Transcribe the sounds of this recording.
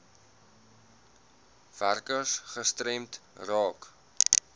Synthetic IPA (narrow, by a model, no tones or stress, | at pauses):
v̥ærkəsχəstrɛmtrɑːk